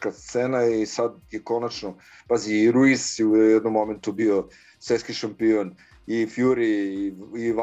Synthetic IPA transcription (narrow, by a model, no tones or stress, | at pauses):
kast̪seːnaisad̪jeko̞nat͡ʃno | baziɾuizujɛd̪nomːo̞ment̪ubio | sʋeskiʃampion | ifjuɾiiʋa